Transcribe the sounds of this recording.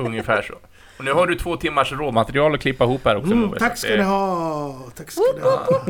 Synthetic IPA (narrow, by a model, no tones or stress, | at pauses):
ɵŋːəfæːʂɔ̰ | ɔnʉ̟ːhaɖɵt̪ʰvoːt̪ʰɪmːaʂɾoːd̪mat̪ɛɾɪɑːlɔkʰlɪpːaɪhuːphæːɾɔksɔm̰t̪ʰakːskd̪ɛɦɑt̪ʰakːsd̪